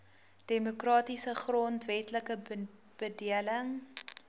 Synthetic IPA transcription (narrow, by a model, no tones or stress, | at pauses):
d̥emokrɑːtisəχrɔntvɛtləkə | b̥ədiələŋ